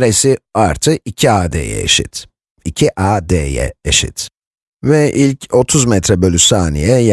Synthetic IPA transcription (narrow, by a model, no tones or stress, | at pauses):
ɾesiaɾt̪ʰɯicʰiaːd̪ḛːjɛ̰ḛʃḭt̪ | icʰiʔaːd̪eːjɛ̰eʃḭt̪ | vɛʔilʲco̞t̪ʰuzmɛt̪ɾɛbølʲysaːnḭjɛja